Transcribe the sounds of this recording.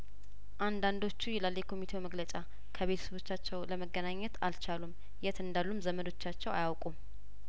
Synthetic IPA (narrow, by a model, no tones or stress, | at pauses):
ʔand̪and̪o̞t͡ʃːujɛlalːjɛkʰo̞mit̪ʰe̞wməɡlət͡ʃʼa | kʰəβe̞t̪ʰə̥səβo̞t͡ʃːat͡ʃːɛwləməɡːənaɲːɛt̪alt͡ʃalum | jɛt̪ʰɨnd̪alːumzəməd̪o̞t͡ʃːat͡ʃːɛwa̰jawkʼum